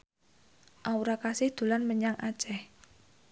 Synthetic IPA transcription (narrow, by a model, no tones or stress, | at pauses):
ʔauɾakasɪhd̪̥ṳlanməɲaŋʔa̰t͡ʃɛh